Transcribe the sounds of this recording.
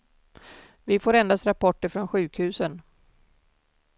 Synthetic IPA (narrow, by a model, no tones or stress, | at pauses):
vɪfoːɾɛnd̪ast̪ɾapʰɔʈːəfɾɔnɧʉ̟ːkhʉ̟ːsən